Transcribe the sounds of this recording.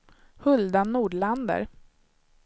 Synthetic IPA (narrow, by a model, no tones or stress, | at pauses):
hɵld̪anːuːɖɭand̪ə̰ɾ